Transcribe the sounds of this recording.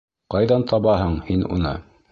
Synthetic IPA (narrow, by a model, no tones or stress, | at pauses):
qɑjðɑnt̪ʰɑβɑɦɤɴhinṵnɤ̰